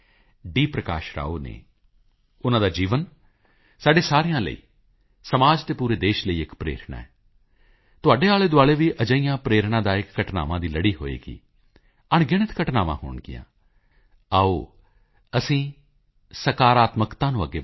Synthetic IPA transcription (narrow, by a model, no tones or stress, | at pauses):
ɖiːpɾəka̰ːʃɾa̰ːoːnḛː | ʊnãːd̪aːd͡ʒiːʋən | saːɖeːsaːɾijãːlə̰ḭː | səmaːd͡ʒt̪eːpuːɾeːd̪eːʃləiːɪkpɾḛːɾɳa̰ːɛː | t̪ʊaːɖeːaːleːd̪ʊaːɭeːʋiːʔəd͡ʒəijãːpɾeːɾɳãːd̪aːɪkːəʈna̰ːʋãːd̪iːləɽiːɦoːḛːkḭː | əɳɡɪɽ̃ɪt̪kəʈnaːʋã̰ːhʊ̰ːɳɡɪ̰jã̰ː | aːoː | əsĩː | səkaːɾaːt̪məkt̪ãːnũːəɡeː